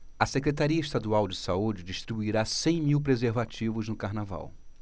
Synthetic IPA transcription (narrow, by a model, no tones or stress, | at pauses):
ɐsekɾet̪aɾiɐɪʃt̪ad̪uawd͡ʒɪsaud͡ʒɪd͡ʒiʃt̪ɾibuiɾasẽj̃miwpɾezeɾvat͡ʃivʊznʊkaɾnava̰w